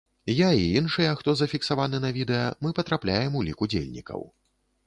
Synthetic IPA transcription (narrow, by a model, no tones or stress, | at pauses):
jaiinʂɨjɛxt̪ɔzɐfʲiksavanɨnɐvʲid̪ɛjɐmɨpɐt̪ɾaplʲajɛmulʲikud͡zʲḛlʲnʲḭkɐ̰w